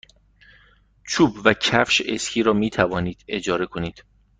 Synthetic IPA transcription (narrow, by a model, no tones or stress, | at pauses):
t͡ʃʰuːbvæcʰæfʃescʰiːɾɒːmiːt̪ʰævɒːniːd̪̥e̞d͡ʒɒːɾe̞kʰoniːd̪̥